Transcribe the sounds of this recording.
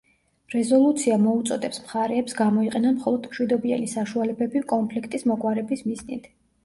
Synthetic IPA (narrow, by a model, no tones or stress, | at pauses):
ɾɛzɔlˠut̪sʰiamɔut̪sʼɔd̪ɛpsmχaɾɛːpsɡamɔiqʼɛnanmχɔlˠɔd̪mʃwid̪ɔbianisaʃualɛbɛbikʼɔmpʰlikʰt̪ʼismɔkʼwaɾɛbismiznit̪ʰ